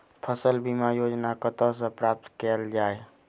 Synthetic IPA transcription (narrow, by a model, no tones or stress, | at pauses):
pʰəsəlbimajoːd͡ʒnakət̪ɔs̬ə̃pɾaːp̚t̪keld͡ʒaːe